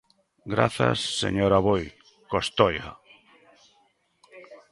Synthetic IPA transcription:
ɡɾa̰θa̰sːḛɲoɾaβoj | kost̪ojɣa̰

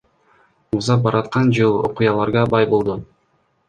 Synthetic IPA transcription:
uzɑbɑɾɑt̪qɑnd͡ʒɯlˠo̰qujɑlˠɑɾʁɑbɑjbolˠd̪u

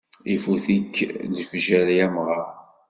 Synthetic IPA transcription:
ifuθikːləfʒæɾijæmʁɑɾ

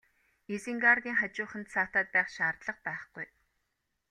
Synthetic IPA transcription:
isiŋɡart̪iːŋχat͡ɕʊːχə̆nt̪saːt̪aːt̪̚pæːχʃaːrt̪ɮə̆q̚pæːχɡ̥uj

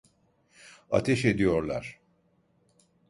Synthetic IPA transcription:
a̰t̪ʰɛʃe̞d̪ijo̞ɾlˠa̰ɾ̥

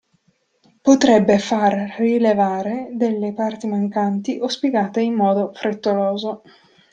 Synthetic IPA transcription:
pot̪ɾɛbːefarrilevaːɾed̪elːepart̪imaŋkant̪iʔospiɡaːt̪eimːɔːd̪ofɾet̪ːoloːzo

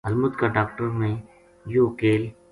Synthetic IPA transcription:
ɐlmʊd̪kaɖaːkʈəɾmẽ | joːkeːl

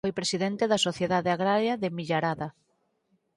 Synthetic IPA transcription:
ojpɾesiðɛnt̪eðɐsoθjeðaðeaɣɾaɾjaðemiʎaɾaða

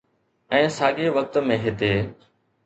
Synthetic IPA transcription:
ɛ̃ːsaːɠeːʋək̚t̪mẽːɦɪt̪eː

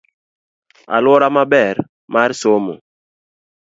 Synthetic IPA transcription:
a̰lwɔɾamabɛɾ | maɾsomo̰

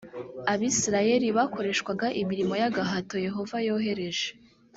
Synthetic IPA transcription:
aβisiɾaje̞ɾiβako̞ɾe̞ʃkwaɡaʔimiɾimo̞jaɡaɦato̞je̞ɦo̞vajo̞ːɦe̞ɾe̞ʒe

